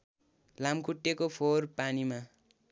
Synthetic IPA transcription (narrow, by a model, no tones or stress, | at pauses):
lamkʰuʈːekopʰorpanima